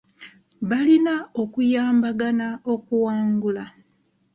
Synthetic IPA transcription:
βalinao̞kujaːmbaɡanao̞kuwaːŋɡula

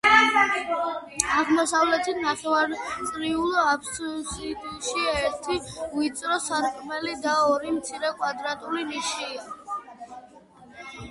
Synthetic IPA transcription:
aʁmɔsavlɛt̪ʰit̪ʰnaχɛvaɾtt̪sʼɾiulˠɔapssid̪ʃiɛɾt̪ʰiuit̪sʼɾɔsaɾkʼɾmɛlid̪aɔɾimt̪sʰiɾɛkʼwad̪ɾat̪ʼuliniʃia

